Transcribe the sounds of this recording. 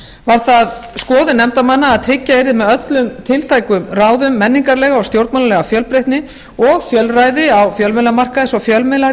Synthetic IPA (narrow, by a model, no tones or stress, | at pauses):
vaɾ̥θaðskɔːðɪnɛmt̪amanːaːðt̪ʰɾɪcːaeɾðɪmɛðœt̪lʏmt̪ʰɪlt̪ʰaːjkʏmraːwðʏmːɛnːiŋkaɾlɛːɣaɔwst̪jowɾt̪manalɛɣafjœlpɾejht̪nɪ | ɔɣfjœlrajðɪawfjœlmɛlamar̥kaðɪsafjœlmɛla